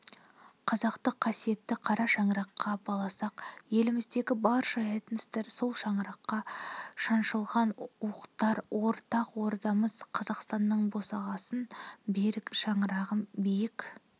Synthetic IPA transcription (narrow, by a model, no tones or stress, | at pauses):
qʰɑzɑqt̪əqʰːɑsije̞t̪ːɪqʰɑɾɑʃɑɴɾɑqːɑbɑlˠɑsɑqje̞lɪmɪzd̪e̞ɡʲɪbɑɾʃɑjɑt̪ənɪst̪eɾso̞lˠʃɑɴɾɑqːɑʃɑnʃəlˠʁɑnuqt̪ɑɾwo̞ɾt̪ɑqwo̞ɾd̪ɑməz̥qʰɑzɑqst̪ɑnːəɴbo̞sɑʁɑsənbe̞ɾɪkʃɑɴɾɑʁəmbejɪkʲ